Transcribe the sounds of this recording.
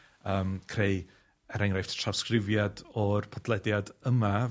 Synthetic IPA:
əːmkʰrej | ɛɾɛŋɾajftʰtʰr̥awskrɪvjadɔrpʰadlˠɛdjadəma

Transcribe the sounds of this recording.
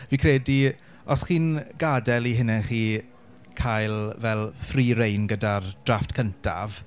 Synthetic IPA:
viːkʰrɛːdi | ɔsχiːnɡ̥adɛliɦɪnɛχiː | kʰajlˠvɛlˠfriːɾejnɡədard̥raftkʰəntʰa̰v̥

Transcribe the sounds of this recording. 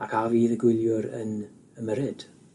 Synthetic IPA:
akʰaviːðəɡwɪlˠjʊɾə̰n | əməɾɪd̥

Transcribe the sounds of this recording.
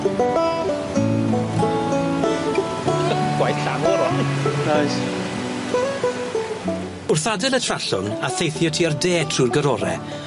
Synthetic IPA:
dəɡwajθɬanɛlɔɾɔniajs | ʊrθadɛlˠətʰraɬʊ̰naθejθjɔtʰiərdeːtʰruːrɡəɾɔɾɛ̰

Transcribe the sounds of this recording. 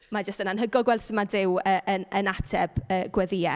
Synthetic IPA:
mad͡ʒəstənanɦəɡɔɡwɛlsəmadɪwəːʔənənatʰɛb̥əːɡ̥wɛðɪɛ

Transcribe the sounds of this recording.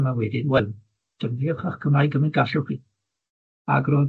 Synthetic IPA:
mawɛdɪdwɛl | d̥ənviɔχaχkʰəmajɡəmɪnɡaɬʊχi | a̰ɡrɔ

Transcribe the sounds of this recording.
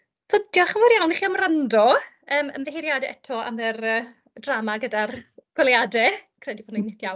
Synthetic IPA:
θʊdjɔχəmɪɾjawniχiamrandɔ | əːmə̰mvɛɦiɾjadɛɛ̰tʰɔa̰mvɛrəː | dramaɡədarɡ̥wɛlˠjadɛkʰrɛdipʰoːdnejnɪtjawn

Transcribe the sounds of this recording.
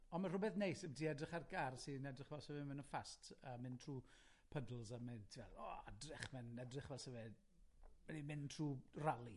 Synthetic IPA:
ɔnmar̥ʊbɛθnejsɛbədʰiɛdrɪχarɡarsinɛdrɪχvɛlˠsɛvɛmɪnəfastʰəmɪntʰr̥uː | pʰədl̩ˠzamɪntʰivɛlɔ̰adrɪχmɛnɛdrɪχvɛlˠsɛvɛ | mɛnimɪntʰr̥uːralˠi

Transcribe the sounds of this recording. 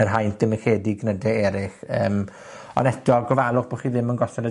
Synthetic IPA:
ərɦajntdɪməχeːdiɡnədɛɛɾɪχəːm | ɔ̰nɛd̥ɔɡɔvalˠʊχb̥oːχiːðɪmənɡɔsɛɾə

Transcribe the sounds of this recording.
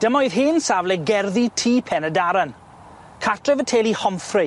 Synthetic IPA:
d̥əmɔjðɦɪːnsavlɛɡɛrðitʰiːpʰɛnədaɾan | kʰatʰrɛvətʰeːlˠihɔmfrɪ

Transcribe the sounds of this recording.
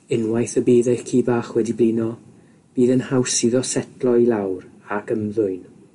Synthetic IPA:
ɪnwajθəbiːðɛkʰiːbaːχwɛdibliːnɔ | b̥iːðənhawsiðɔsɛtʰlˠɔilˠawɾaɡəmðʊɨn

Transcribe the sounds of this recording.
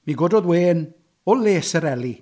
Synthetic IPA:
miɡodɔðweːn | ɔleːsəɾɛli

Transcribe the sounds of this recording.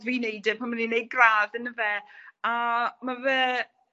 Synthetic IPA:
ðviːnejdɪpʰanmaninːejd̚ɡraːðənəvɛamavɛː

